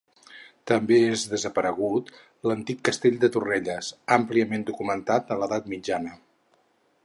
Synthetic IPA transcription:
t̪əmbeezðəzəpəɾəɣ̞ut̪ | lənt̪ikːəst̪eʎʲd̪ət̪ureʎəsampliəmend̪ukumənt̪at̪ələðat̪mid͡ʒanə

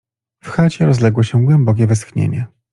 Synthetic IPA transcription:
fxat͡ɕɛɾɔzlɛɡwɔɕɛɡwɛmbɔk̬ʲɛvɘsxɲḛɲɛ

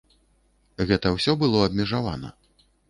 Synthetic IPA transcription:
ɣɛt̪ɐwsʲɔbɨlˠɔɐb̚ʲmʲɛʐava̰nɐ̰

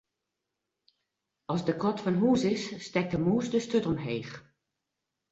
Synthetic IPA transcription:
ɑlˠsdəkʰɔtfɔnɦuːsɪsːtɛk̚dəmuːsdəstøtɔmɦeːx

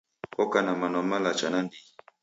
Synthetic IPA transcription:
kɔkanamanɔmalat͡ʃanandi

